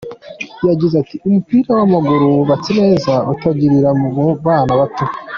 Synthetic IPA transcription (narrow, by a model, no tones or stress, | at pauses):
jaɟizatiumupiɾawamaɡuɾuβat͡sinezaotaɡiɾiɾaβaːnaβato